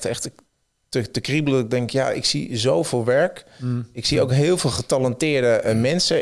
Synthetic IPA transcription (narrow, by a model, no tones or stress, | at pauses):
tɛxtɪ | tətəkribəl̩ˠədɔtɪɡ̚dɛŋkja̰ʔɪ̰ksḭzowvɪːlˠʋɛɹkɪksiowkɦɪːəlˠvɪːlˠχətaləntɪːəɹdəmɛnsə